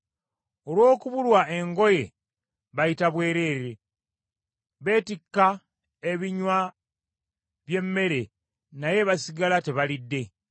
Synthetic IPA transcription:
o̞lwo̞ːkuβulwaʔe̞ŋɡo̞je̞ | βajitaβwe̞ːɾe̞ːɾe̞ | βe̞ːtikːa | eβiɲwa | βje̞mːe̞ɾe̞ | naje̞βasiɡalate̞βalidːe̞

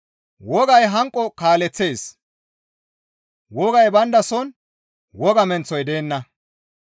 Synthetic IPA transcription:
wɔɡɐjɦɐŋkʼːɔkaːlɛt͡sːe̞ːs | wɔɡɐjbɐnd̪ɐsɔn | wɔɡɐmɛnt͡sːɔjd̪eːnːɐ

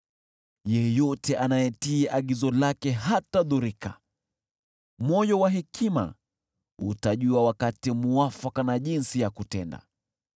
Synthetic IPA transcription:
jɛjɔtɛʔanajɛtiːʔaɠizɔlakɛɦataðuɾika̰ | mɔjɔwaɦɛkʰima̰ | utaʄuawakatimuafakanaʄinsijakutɛnda̰

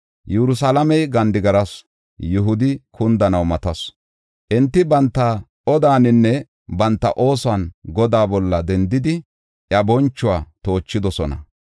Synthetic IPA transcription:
jɛɾʊs̬alɐmɛjɡɐnd̪ɪɡɐɾɐs | jʊɦʊd̪ɪkʰʊnd̪ɐnɐwmɐt̪ɐs | ʔɪnt̪ːɪbɐnt̪ːɐ | ɔd̪aːnɪnːɛ | bɐnt̪ːɐ̰ʔo̞ːsaːnɡɔd̪aːbɔlːɐd̪ɛnd̪ɪd̪ɪ | jɐbɔnt͡ʃːʊwaːt̪o̞ːt͡ʃːɪd̪ɔsɔnɐ̰

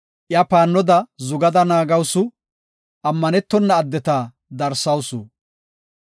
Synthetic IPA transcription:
ʔjɐpaːnːɔd̪ɐzʊɡɐd̪ɐnaːɡɐwsʊ | ɐmːɐnɛt̪ːɔnːɐːd̪ːɛt̪aː | d̪ɐɾsɐwsu

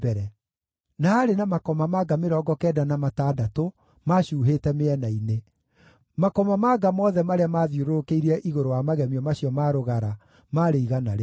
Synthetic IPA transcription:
bɛɾɛ | naːɾenamakɔmamaɡameɾɔɡɔkɛːdanamataːdato | maɕuːɦetɛmeɛnaine | makɔmamaɡamɔðɛmaɾeamaːðjoɾoɾokeiɾɛʔiɣoɾowamaɣɛmiɔmaɕjɔmaɾoɣaɾa | maːɾeiɣanaɾe

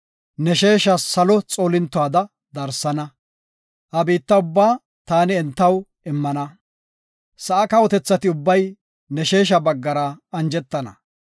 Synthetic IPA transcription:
nɛʃe̞ːʃɐsɐlɔt͡sʼoːlɪnt̪ːɔwaːd̪ɐ | d̪ɐɾsɐnɐ | hɐbiːt̪ːɐʊbːaː | t̪aːnɪɛnt̪ːɐw | ɪmːɐnɐ | sɐʔɐkɐwɔt̪ɛt͡sːɐt̪ɪʊbːɐj | nɛʃe̞ːʃ̬ɐbɐɡːɐɾɐɐnd͡ʒɛt̪ːɐnɐ̰

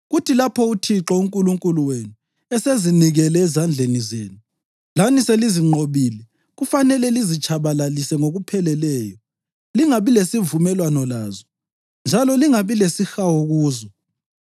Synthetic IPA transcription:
ɣutʰilapʰɔutʰiǁɔuŋkʼuluŋkʼuluwenu | ɛseziniɣɛlɛːzand͡ɮʱenizḛːnu | laniseliziŋ͡ǃʱoβiːlɛ | ɣufanɛlɛlizit͡ʃʰʼaβalalisɛŋoɣupʰɛlɛlɛːjɔ | liŋaβilesivumɛlwanɔlaːzɔ | nd͡ʒʱalɔliŋaβilesixawoɣuːzɔ

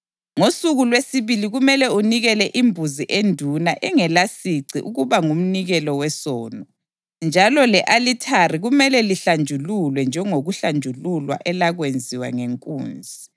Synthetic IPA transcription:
ŋosuɣulwesiβiliɣumɛlɛuniɣɛlɛʔimbʱuziʔendʱunaʔɛŋɛlasiǀiʔuɣuβaŋum̩niɣɛlɔwɛsɔːnɔ | nd͡ʒʱalɔlɛʔalitʰariɣumɛlɛliɬand͡ʒʱululwɛnd͡ʒʱɛŋoɣuɬand͡ʒʱululwa̰ʔɛlaɣwend͡zʱiwa̰ŋeŋkʼṵːnd͡zʱi

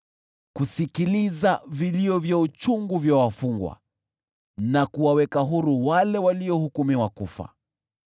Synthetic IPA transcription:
kusikilizaviliɔvjaut͡ʃuŋɡuvjawafuŋɡwa̰ | nakuwawɛkaɦuɾuwalɛwaliɔhukumiwakufa̰

